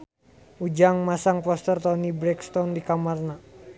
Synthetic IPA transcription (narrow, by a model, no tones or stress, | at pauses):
ud͡ʒaŋmasaŋkwɔst̪ərt̪ɔnibɾɛkst̪ɔndikamarna